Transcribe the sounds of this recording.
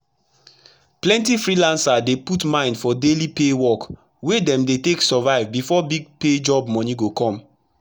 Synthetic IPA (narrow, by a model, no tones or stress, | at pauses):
plɛ̃ntifɹilãnsadeputmãɪ̃ndfɔdelipewɔk | wedɛ̃mdeteksɔvaɪvbifɔbiɡ̚ped͡ʒɔbmɔniɡokɔ̃m